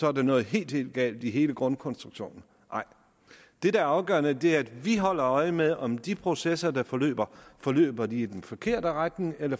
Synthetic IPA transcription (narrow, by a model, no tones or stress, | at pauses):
sɒ̽æɐd̥enɔ̽ːð̩ˠɦe̝̰ːld̥he̝̰ːld̥̚ɡ̥ɛ̰ːld̥iɦe̝ːləɡ̥ʁɔ̽nkʰɒ̽nsd̥ʁuɡ̥ɕo̝̰ːnn̩ | ʔɑ̈ɪ̰ | d̥e̝dɑ̈æɐɑ̈ʊɡ̥ɶ̰ɐnəd̥e̝æɐæd̥ʋiɦɒ̽l̰ɐɒ̽ɪmeðˠʔɒ̽md̥ipʰʁo̝sesɐd̥ɑ̈fɒ̽lø̰ːb̥ɐfɒ̽lø̰ːb̥ɐd̥iːd̥enfɒ̽kʰe̝ɐ̰d̥əʁaɡ̥nŋelɐ